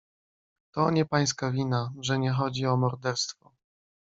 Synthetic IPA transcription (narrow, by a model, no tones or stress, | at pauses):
t̪ɔɲɛpaj̃s̬kavʲinaʐɛɲɛxɔd͡ʑiɔmɔɾd̪ɛɾst̪fɔ